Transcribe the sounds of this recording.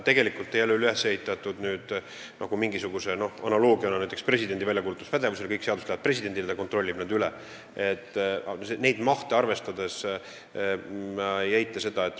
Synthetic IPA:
t̪e̞ɡ̥e̞likult̪ːˑejælːylyhesːeit̪ːˑɑt̪ːud̪nyːd̪̥ | nʔɑɡ̥umiŋɡisuɡ̥use̞no̞hɑnɑlo̞ːɡ̥iɑnɑnæjt̪ːˑekspre̞sid̪ed̪ivælʲjɑkuːlut̪ːˑu̥spæd̪e̞vuse̞lkɤjkseɑd̪ust̪æɑd̪pre̞sid̪̥e̞nd̪iled̪ɑko̞nt̪ro̞lːib̥nɑd̪yle | et̪ːˑsene̞jd̪̥mɑht̪eɑrve̞st̪ɑd̪e̞s | mjejt̪ːˑese̞d̪ɑe̞t̪ːˑ

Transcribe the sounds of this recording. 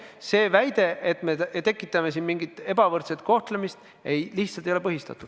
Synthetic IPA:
se̞ːvæjd̪̥e̞ʔet̪ˑmet̪e̞kːˑit̪ːˑɑme̞sinmiŋɡit̪ːˑe̞bɑvɤrt̪set̪̚ko̞ht̪lemist̪ | e̞jliht̪sɑlt̪ejolepɤɦist̪ɑ̰t̪ːˑud̪̥

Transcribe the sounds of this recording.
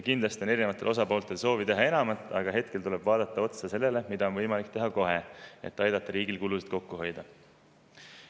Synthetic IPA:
kind̪lɑst̪io̞ne̞ɾine̞vɑt̪eʔo̞sɑpo̞ːlt̪ˑe̞lso̞ːvit̪e̞ɦɑe̞nɑmɑt̪ːˑɑɡ̥ɑɦe̞t̪ke̞lt̪ule̞b̥vɑːd̪̥ɑt̪ːˑɑo̞t̪sɑse̞lːe̞le̞mid̪̥ɑo̞nvɤjmɑlikt̪e̞ɦɑko̞ɦe̞e̞̰t̪ːˑɑjd̪ɑt̪ːˑɑɾiːɡilkulusid̪̥ko̞kːuɦo̞jd̪̥ɑ

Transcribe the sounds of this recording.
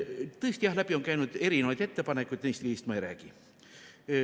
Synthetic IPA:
t̪ɤst̪ijɑhlæb̥io̞nkæjnud̪̥e̞ɾineɑjd̪e̞t̪ːepɑne̞kːˑujd̪̥nejst̪kihist̪mɑejɾæːɡ̥i

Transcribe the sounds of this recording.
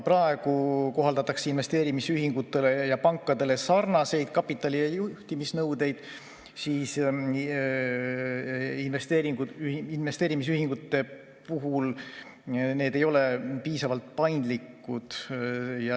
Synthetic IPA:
prɑe̞ɡ̥uko̞ɦɑld̪ɑt̪ːˑɑkseinve̞st̪e̞ːɾimisyɦiŋɡ̥ut̪ːˑe̞le̞jɑpɑŋkːˑɑd̪̥e̞le̞sɑrnɑse̞jd̪̥̚kɑpːˑit̪ːˑɑlijɑjuht̪imisnɤwd̪e̞jd̪̥ | siːs | inve̞st̪eːɾiŋɡ̥uyinve̞st̪e̞ːɾimisyɦiŋɡ̥ut̪ːˑe̞ | puɦul | ne̞ːd̪e̞jo̞le̞piːsɑvɑlt̪̚pɑjnd̪likːˑud̪̥jɑ

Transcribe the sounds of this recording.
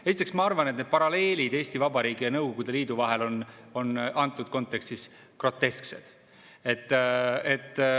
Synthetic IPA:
e̞sit̪eksmɑɑrvɑnet̪ned̪̥pɑɾɑle̞ːlʲid̪eːsʲt̪ivɑbɑɾiːɡ̥ijɑnɤwɡ̥o̞ɡ̥ud̪e̞liːd̪uvɑɦe̞lo̞n | o̞nɑnt̪ːˑud̪̥̚ko̞nt̪ːˑe̞kst̪is | kro̞t̪ːe̞sksḛd̪̥ | e̞t̪ːe̞t̪ːˑ

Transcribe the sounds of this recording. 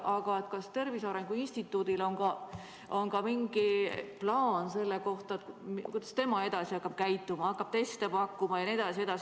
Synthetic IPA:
ʔɑɡ̥ɑet̪̚kɑst̪e̞rvisɑɾe̞ŋɡ̥uinsʲt̪it̪ːˑuːd̪̥ilo̞nɡ̥ɑ | o̞nkɑmiŋɡ̥iplɑːnse̞lːeko̞ht̪ɑet̪mkujd̪ɑst̪e̞mɑe̞d̪̥ɑsiɑkːɑb̥̚kæjt̪ːˑumɑɑkːˑɑb̥̚t̪e̞st̪epɑkːumɑjɑned̪̥ɑsie̞d̪̥ɑs

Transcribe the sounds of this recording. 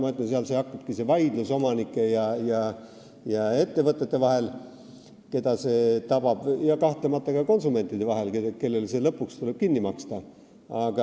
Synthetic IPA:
mɤt̪ːˑɑns̬eɑlseɑkːɑb̥̚kise̞vɑjd̪̥luso̞mɑnikːˑe̞jɑjɑ | jɑe̞t̪ːe̞vɤt̪ˑːet̪ːevɑɦe̞l | ke̞d̪̥ɑse̞t̪ɑb̥ɑb̥jɑkɑht̪lemɑt̪ːˑɑkɑko̞nsume̞nt̪ːˑid̪̥e̞vɑɦe̞lkeke̞lːe̞lse̞lɤpːˑukst̪ule̞b̥kinːimɑkst̪ɑ | ɑɡ̥ɑ

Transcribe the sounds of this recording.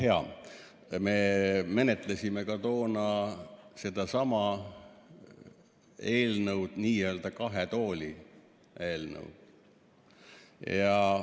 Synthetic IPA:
heɑ̰ | me̞me̞net̪lesʲime̞kɑt̪o̞ːnɑse̞d̪̥ɑsɑmɑ | e̞ːlnəuwd̪̥niːjeøld̪̥ɑkɑɦet̪o̞ːlʲi | eːlnə̰wd̪̥ | jɑ

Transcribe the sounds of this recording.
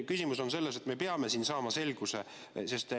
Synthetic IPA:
kysʲimuso̞nse̞lːese̞t̪ˑme̞peɑme̞siːnsɑːmɑse̞lɡ̥use | se̞st̪

